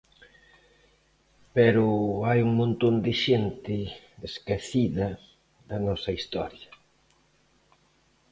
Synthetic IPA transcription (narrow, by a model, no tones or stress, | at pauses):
peɾʊajuŋmõnt̪ond̪ɪʃent̪ɪ | eskeθiðɐ | ðɐnɔsɐist̪ɔ̰ɾjɐ